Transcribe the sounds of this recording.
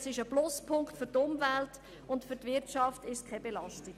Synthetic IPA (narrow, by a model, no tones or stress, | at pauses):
sɪʃəblʊspʰʊŋktfʏɾtʊmvælt | ʊntfyɾtvɪɾtʃɑftɪʃskʰɛbelɑstɪ